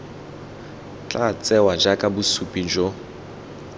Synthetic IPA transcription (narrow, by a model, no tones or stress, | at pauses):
t͡ɬʼat͡sʼɛwad͡ʒakʼabusupʼid͡ʒo